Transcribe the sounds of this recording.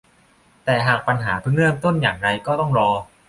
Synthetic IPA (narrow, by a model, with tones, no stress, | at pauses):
t̪ɛː˨˩ɦaː˨˩k̚pa˧nɦaː˩˦pʰɯ˥˩ŋɾɯ˥˩əmt̪o˥˩njaː˨˩ŋɾa˧jkɔː˥˩t̪ɔ˥˩ŋɾɔː˧